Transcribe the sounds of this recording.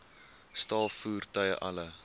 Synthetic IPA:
stɑlˠfuːrtœjə̰ʔɐ̰lə

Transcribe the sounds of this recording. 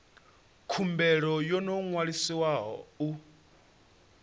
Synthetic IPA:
kʰumbɛɺɔjɔnɔŋwaɺisiwaɦɔ̰u

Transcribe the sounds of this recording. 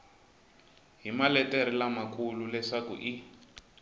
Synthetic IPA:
ɦimalɛtɛɾilamakʰʼululɛʂakṵʔi

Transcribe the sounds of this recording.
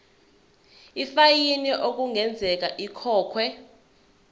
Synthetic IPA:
ifajiniʔok̬uŋʱɛnd͡zʱɛk̬aʔikʰɔːkʰwɛ

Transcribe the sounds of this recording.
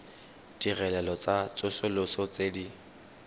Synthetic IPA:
d̥irɛlɛlɔt͡sʼat͡sʼʊsʊlʊsɔt͡sedi

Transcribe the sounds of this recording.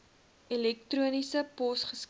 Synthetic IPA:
ilɛk̚truənisəpɔsχəs

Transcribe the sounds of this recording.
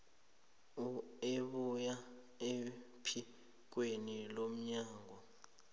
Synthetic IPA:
ueɓuja | e | pʰi | k̬wenilom̩ɲaːŋɔ

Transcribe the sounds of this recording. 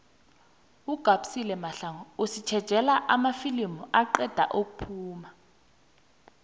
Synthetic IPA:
uɡ̥ʱaɓu̥silɛmaɬaŋɔusit͡ʃʰɛd̥ʒ̥ʱɛlaʔamafilimuaǃɛd̥ʱa̰ʔok̬upʰuːma

